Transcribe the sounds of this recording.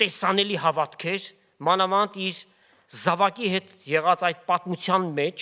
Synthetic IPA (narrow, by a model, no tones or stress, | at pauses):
t̪ɛsɑnɛliɦɑvɑt̪kʰɛɾ | mɑnɑmɑnt̪iɾ | zɑvɑkiɦɛt̪jɛʁɑt͡sɑjd̪̚pɑt̪mut͡sʰjɑnmɛt͡ʃʰ